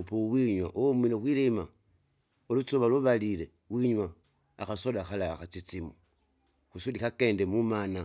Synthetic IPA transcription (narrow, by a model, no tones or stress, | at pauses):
powiɲwaʔomilexwilima | olut͡suβaluβalile | wiɲwaː | xasolaxalaxat͡sit͡simu | xusulixakeːndemumana